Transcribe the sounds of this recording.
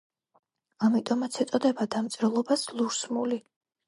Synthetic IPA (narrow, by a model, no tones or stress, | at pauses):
amit̪ʼɔmat̪sʰɛt̪sʼɔd̪ɛbad̪amt̪sʼɾɛlˠɔbaslˠuɾsmuli